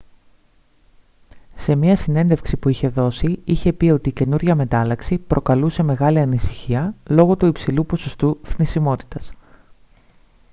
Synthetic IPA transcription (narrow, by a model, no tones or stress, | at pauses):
se̞mɐsine̞nd̪e̞fksipuiçe̞ðo̞siiçe̞pio̞t̪iːce̞nuɾʝɐme̞t̪ɐlɐksipɾʔo̞kɐluse̞me̞ɣɐliɐnisi̥çiɐlo̞ɣo̞t̪uipsilupo̞so̞st̪uθnisimo̞t̪i̥t̪ɐs